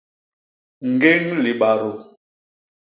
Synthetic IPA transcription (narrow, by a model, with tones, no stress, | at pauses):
ŋ̩˨ɡe˦ŋli˨ɓa˨ɾo˨